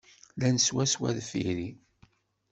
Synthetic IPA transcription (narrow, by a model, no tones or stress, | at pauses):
lænəswæswæ̰ðfḭɾi